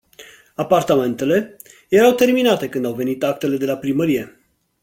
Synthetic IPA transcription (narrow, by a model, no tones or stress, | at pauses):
apart̪ame̞nt̪e̞le̞ | jeɾawt̪e̞rminat̪e̞kɨnd̪awve̞nit̪ak̚t̪e̞le̞d̪e̞lapɾiməɾije̞